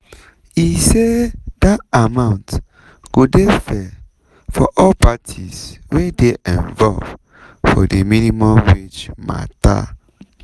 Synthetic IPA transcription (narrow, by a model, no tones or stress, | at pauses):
ised̥atamãʊ̃nt | ɡ̥odefɛ | fɔʔɔlpatʰiswedeʔɛ̃nvɔlv | fɔdeminimɔ̃mwed͡ʒma̰ta̰